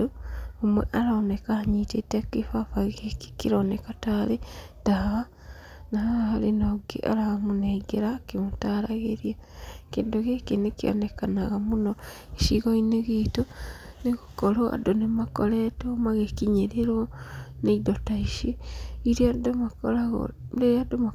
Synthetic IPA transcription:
oomweʔaɾaːnekaaɲitetakifafaɣeki̥kiɾonekatale | taa | naahalinoɡḭʔa̰ɾaamuneɡeɾakimutaɾaɣeɾiakindoɣekinekio̰nekanaɣamunoiʃiɣoineɣiːtoneɣukoloa̰donemakoletomaɣekiɲeɾeɾwoneidotaiʃeiɾiadomakolaɣo̰leadoma

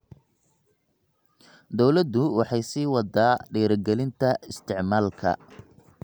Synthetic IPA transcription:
d̪ɔwlɐd̪ʊwɑħɑjsiːwɑd̪aːɖiːɾɡɛlɪnt̪ʰɐɪst̪ʰɪʕmaːlkʰɐ̰

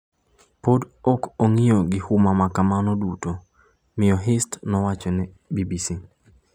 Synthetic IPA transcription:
podɔkoŋɪoɡɪhumamakamanoduto | mɪjɔɦɪstnɔwat͡ʃonɛ | bibisi

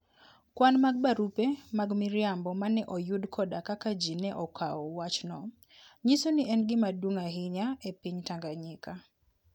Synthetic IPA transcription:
kwanmaɡ̚baɾupemaɡmɪɾjambɔmanɛʔɔjudkʰɔdakakad͡ʒinɛʔɔkʰaɔwat͡ʃnɔ | ɲisoniʔɛnɡɪmadwoŋaɦɪɲaepiɲtaŋɡaɲɪka

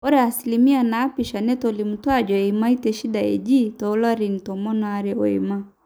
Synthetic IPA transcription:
ɔɾɛasilimianaːpiʃanɛtɔlimutwad͡ʒɔɛimaitɛʃidaɛ̰d͡ʒitɔːlaɾinitɔmɔnɔaɾɛɔɛ̰ma

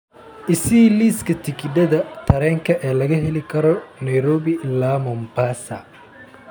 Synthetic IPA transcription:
ʔɪsiːliːskʰɐt̪ʰɪkʰɪɖ̪ɐðɐt̪ʰɐɾɛːŋkʰɐʔɛːlɐɣɐɦɛlɪkʰɐɾɔnɛjɾɔːβɪlaːmɔmbaːsɐ̰

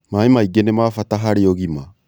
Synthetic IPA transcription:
maemaiɡenemaːfataɦaɾeɔɣima

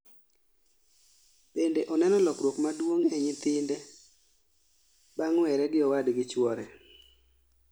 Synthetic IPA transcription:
b̥endeʔɔnɛnɔlɔkɾwokmadwoŋɛɲɪt̪ɪndɛ | baŋwɛɾɛɡɪɔwadɡɪt͡ʃwɔɾɛ

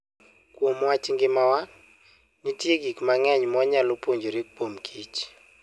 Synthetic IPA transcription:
kwomwat͡ʃɪŋɡɪmawa | nitjeɡikmaŋɛɲmɔɲalopoɲd͡ʒoɾek̚pomkʰit͡ʃ

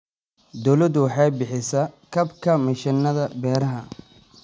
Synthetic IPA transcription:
d̪ɔwlɐd̪wɑħɑjbɪħɪsɐkʰɐbkʰɐmɪʃɪnːɐðɐbɛːɾɐɦɐ

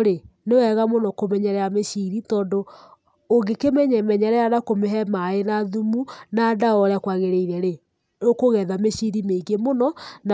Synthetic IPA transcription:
ɾenewɛɣamonɔkomɛɲɛɾɛameʃiɾitɔːndoː | ɡekemɛɲɛmɛɲɛɾɛjanakomeɦɛmaenaðumunadaɔɾakwaɣeɾeiɾɛɾe | okoɣɛðameʃiɾimeɡemonɔna

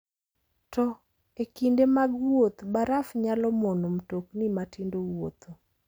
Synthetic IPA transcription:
tɔ | ekindemaɡwot̪baɾafɲalɔmonomtoknimatʰindowot̪o

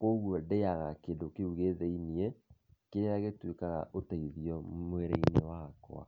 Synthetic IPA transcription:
koɣwɔdeaɣakeːndokeuɣeðeiniɛkeɾeaɣetwekaɣa̰ʔotaiðiɔmweɾeinewakw̰a̰

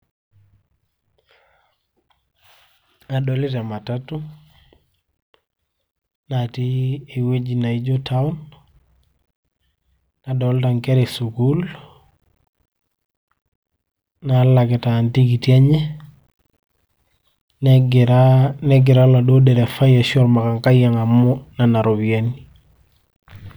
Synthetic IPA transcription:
adɔlɪtamatatu | natiewed͡ʒinaid͡ʒotaun | adɔltaŋkɛɾesukul | nalakɛtantikitiaɲɛ | nɡɾanɛɡɪɾaladodɛɾɛfajaʃɔɾmakaŋkajaŋamːɔnanaɾobiani

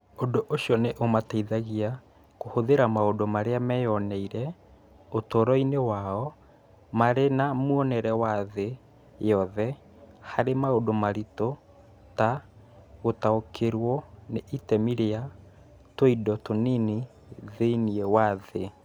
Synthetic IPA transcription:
ondoʔoʃjɔneʔomataiðaɣia | kohoðeɾamaodomaɾeamɛjɔnɛiɾɛ | otɔɾɔinewaɔ | maɾenamuɔnɛɾɛwaðe | jɔðɛ | haɾemaodomaɾito | ta | ɣotaokʰeɾwɔneʔitɛmiɾea | toidɔtonini | ðeiniɛwaðe

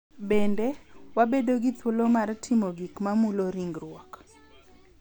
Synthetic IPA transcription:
bendewabedoɡit̪wolomartʰɪmoɡikmamuloɾiŋɡɾwɔk

